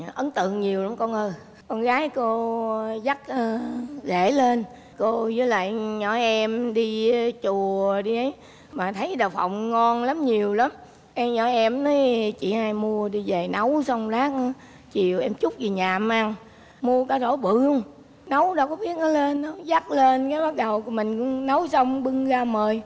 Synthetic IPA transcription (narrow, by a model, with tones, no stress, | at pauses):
ʔə˨˦nt̪ɨ̰˧˨əŋɲi˨˩əwla˨˦mkɔ˧nʔəː˧ | kɔ˧nɣaː˨˦jko˧za˦˥k̚əː˧˩ɣḛ˧˩le˧n | ko˧zɨː˨˦jla̰ː˧˨jɲɔ˧˩˦jʔɛ˧mɗi˧t͡ɕu˨˩əəɗi˧ʔə˨˦j | maː˨˩t̪ʰə˨˦jɗaː˨˩wfa̰˧˨wŋ͡mŋɔ˧nla˨˦mɲi˨˩əwla˨˦m | ʔɛ˧ɲɔ˧˨˩ʔɛ˧mnɔ˨˦t͡ɕḭ˧˨haː˧jmu˧əɗi˧ze˨˩nə˨˦wsə˧wŋ͡mlaː˦˥k̚na˨˦ | t͡ɕi˨˩əwʔɛ˧mt͡ɕʊ˦˥k͡p̚zi˨˩ɲaː˨˩mʔa˧ŋ | mu˧əkaː˨˦zo˧˦ɓɨ˧˩əŋ | nə˨˦wɗɔ˧kɔ˨˦ɓi˦˥ət̚nɔ˨˦le˧nːɔ˨˦za˦˥k̚le˧nkaː˨˦jɓa˦˥k̚ɗə˨˩wku˧˦mï˨˩ŋ̟kŋ͡mnə˨˦wsə˧wŋ͡mɓɨ˧ŋɣaː˧məː˨˩j